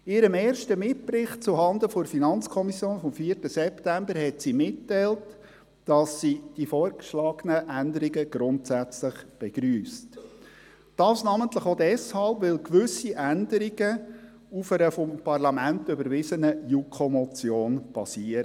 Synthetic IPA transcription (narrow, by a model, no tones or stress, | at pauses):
ɪɾəmeːɾʃtəmɪt̚prɪχt̚t͡suɦɑnd̪əfʊɾfinɑnt͡skʰɔmisjoːnfɔmfiərtəsɛptæmbəɾhɛtsimɪtːɛɪlt | d̥ɑsːid̥ifɔːɾkʃlɑːɡ̥ənəʔændəɾiɡəɡ̥ɾʊntsæt͡sləχb̥ɛɡ̥ɾyːəst | d̥ɑːsnɑːməntləχodɛshɑlbʋɪlkʋʏsiʔændəɾiɡə | ufəɾəfɔmpɑrlɑmæntybəɾʋɪzənəjukʰomɔt͡sjoːnb̥ɑ̰siəɾə